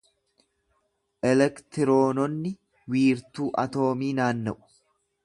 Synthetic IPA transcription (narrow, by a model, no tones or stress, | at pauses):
ʔɛlɛkt̪ɪɾo̞ːnɔnːɪ | wiːɾt̪uːʔɐt̪o̞ːmiːnaːnːɐʔʊ̥